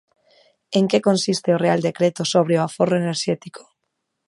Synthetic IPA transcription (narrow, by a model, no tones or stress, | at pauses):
eŋkekonsist̪eoreald̪ekɾet̪osoβ̞ɾeoaforoeneɾʃɛt̪ikʰo̥